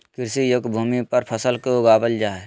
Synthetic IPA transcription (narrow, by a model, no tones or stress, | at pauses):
kɪɾsijʊɡbʱuːmipəɾpʰəsəlkeʊɡaːbəld͡ʒaːɛ